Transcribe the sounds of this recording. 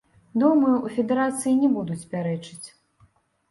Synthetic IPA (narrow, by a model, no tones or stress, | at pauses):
d̪umɐjuʔufʲɛd̪ɛɾat̪sɨjinʲɛbud̪ut͡sʲpʲaɾɛt͡ʂɨt͡sʲ